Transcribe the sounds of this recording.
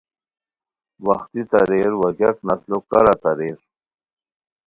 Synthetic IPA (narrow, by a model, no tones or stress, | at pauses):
wɐxt̪it̪ɐɾeɾwɐd͡ʑɐknɐslokɐɾat̪ɐɾeːɾ